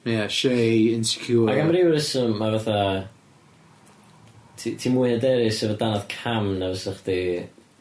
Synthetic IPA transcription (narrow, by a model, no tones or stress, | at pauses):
mjaʃejɪnsɪ̥kʰjuːaɡamriwəɾəsəmːavaθa | tʰitʰimuːɨhədɛɾɪsɛvədanɔð̥kʰamnavəsəχd̥i